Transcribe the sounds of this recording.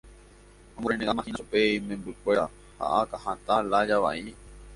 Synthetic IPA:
ãmboɾenẽamãhĩnupeimẽmbɨkʷe̞ɾa | ha̰ʔakahãt̪alad͡ʒaʋa̰ʔi

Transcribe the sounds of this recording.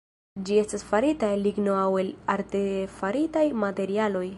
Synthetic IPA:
d͡ʒie̞stasfaɾitaliɡno̞awe̞laɾte̞faɾitajmate̞ɾialo̞j

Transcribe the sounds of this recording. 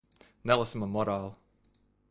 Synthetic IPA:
nɛlˠəsə̃məmɔɾalˠ

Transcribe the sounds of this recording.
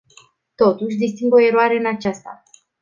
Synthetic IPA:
t̪o̞t̪uʃ̬ʲd̪ist̪iŋɡo̞e̞ɾoaɾe̞ɨnat͡ʃast̪a̰

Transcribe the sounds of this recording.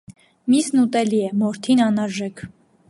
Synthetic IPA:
misnut̪ɛliɛmɔɾt̪ʰinɑnɑɾʒɛkʰ

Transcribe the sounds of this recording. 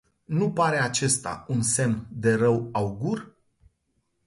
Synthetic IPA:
nupaɾe̞at͡ʃe̞st̪a̰unse̞mnd̪e̞ɾəwauɡur

